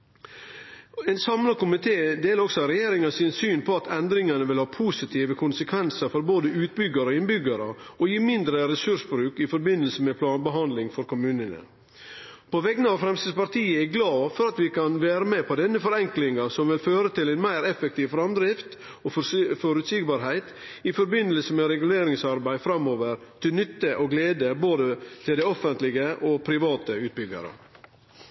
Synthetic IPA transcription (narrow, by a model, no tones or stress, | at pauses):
ɛnsɑmlɑkʊmɪt̪ʰeːd̪eːlɾɔksɔɾɛjeːɾɪŋɑsɪnsyːnpʰɔɑt̪ʰɛnd̪ɾɪŋɑnəʋɪlhɑːpʰuːsɪt̪ʰiːʋəkʰʊnsəkʰʋɛnsəɾfɔɾboːd̪əʉːt̪̚bʏɡːɑɾəoɪnbʏɡɑɾə̰ɔjiːmɪnd̪ɾəɾɛsʉʂbɾʉːkɪfɔɾbɪnːəlsəmɛpʰlɑːnbəɦɑnd̪lɪŋfɔɾkʊmʉːnənə̰ | pʰɔʋɛɡənəɑʋfɾɛmst̪ɪd̪pɑɾt̪ʰiːəɛɡlɑːfɔɾɑt̪ʋɪkɑnʋæːɾəmɛpʰɔd̪ɛnːəfɔɾɛŋklɪŋɑsɔmʋɪlføːɾət̪ɪlɛɪnmæɪɾɛfɛk̚t̪ʰiːʋfɾɑmd̪ɾɪft̪ | ɔfɔɾʉt̪siɡbɑːɾɦæɪt̪ | ɪfɔɾbɪnəlsəmɛɾɛɡʉleːɾɪŋsɑɾbæɪfɾɑmoːʋəɾt̪ʰɪlnʏt̪ːəʔɔɡleːd̪əboːd̪ət̪ʰɪld̪æɪɔfənt̪lɪɡəʔɔpʰɾɪʋɑːt̪əʉːt̪̚bʏɡɑ̰ɾə̰